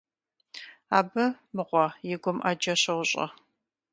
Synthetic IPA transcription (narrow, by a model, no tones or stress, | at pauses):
aːbɨ | mɨʁʷɔjɪɡʷʊmʔɐd͡ʒɐɕɐwʊɕʼɐ̰